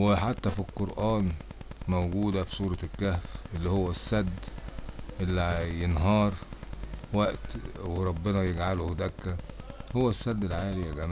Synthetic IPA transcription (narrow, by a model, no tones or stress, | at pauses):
weħat̪ːæfilqoɾʔæːnmæwɡuːd̪æfi̥sˤuːɾˤɑkːæhfʔelːihowːæsːæd̪ː | ʔelːijenɦɑːɾˤ | wæʔt̪weɾˤɑbːenɑjeɡʕalohd̪ækːæhowːæsːæd̪ːelʕaːlijæɡæmæː